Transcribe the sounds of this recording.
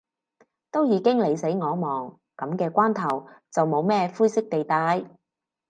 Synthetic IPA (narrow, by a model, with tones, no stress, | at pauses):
t̪o˥wjiː˨˧˥kɪ˥ŋle˨˧jse˨˥jŋɔː˨˧mɔː˨˩ŋ | kɐ˨˥mkɛː˧kʷwaː˥nt̪ʰɐ˨˩wt͡sɐ˨wmo˨˧wmɛː˥fuː˥jsɪ˥k̚t̪e˨jt̪aː˨˧˥j